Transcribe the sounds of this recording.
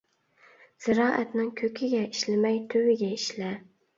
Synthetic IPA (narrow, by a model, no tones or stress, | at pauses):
z̥ɪɾɑːʔɛt̪nɪŋkʲʰøkʲʰɪɡʲɛiʃlɪmɛjt̪ʰøwɪɡʲɛiʃlɛ